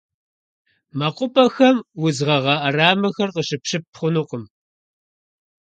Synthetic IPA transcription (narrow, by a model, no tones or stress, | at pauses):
mɐqʷʼʊpʼɐxɐmwʊzʁɐʁɐʔɐraːmɐxɐrqəɕɨpʂɨp̚χʷʊnuqəm